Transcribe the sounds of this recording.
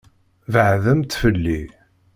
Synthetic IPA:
vəʕðəmt̪fəlːi

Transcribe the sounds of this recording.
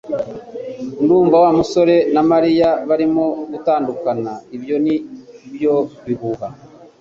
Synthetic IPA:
nduːɱvawamuso̞ɾe̞namaɾijaβaɾimoɡutaːndukanaiβjo̞niβjo̞βiɦuɦa

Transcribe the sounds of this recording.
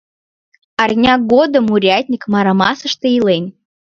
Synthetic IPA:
ɑrnʲɑɡod̪əmuɾʲɑt̪ʲnʲikmɑɾamɑ̰səʃt̪ĕilenʲ

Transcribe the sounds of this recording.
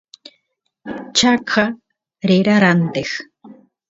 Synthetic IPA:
t͡ʃakʰa | ɾeɾaɾant̪ex

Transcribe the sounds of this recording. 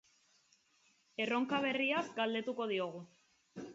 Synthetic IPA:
e̞ro̞ŋkaβ̞e̞riasɡald̪e̞t̪uko̞ðio̞ɣ̞u

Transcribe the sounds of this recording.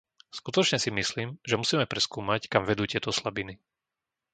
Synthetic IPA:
skut̪ɔt͡ʃɲɛsimisliːmʒɛmusiːmɛpɾɛskuːmackamʋɛd̪uːtjɛt̪ɔslabini

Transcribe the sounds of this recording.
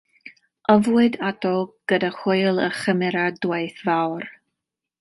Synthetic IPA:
əvwɨdatʰɔɡ̥ədaχʊjlˠəχəmɛɾadwejθvawr

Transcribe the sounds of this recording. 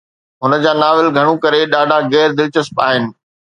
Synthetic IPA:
ɦʊnə̆d͡ʑaːnaːʋɪlɡʱɐɽ̃ũkɐɾeɗaːɖʱaɣɛːɾd̪ɪlt͡ɕəspaːɦɪnɪ̆

